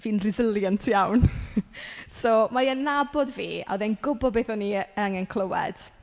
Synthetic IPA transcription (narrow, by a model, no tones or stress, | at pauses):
viːnrɪzɪlˠjəntʰjawn | somajənːabɔdviːa̰ðɛnɡʊbɔdbeːθɔniəaŋɛnkʰlˠəwɛ̰d̥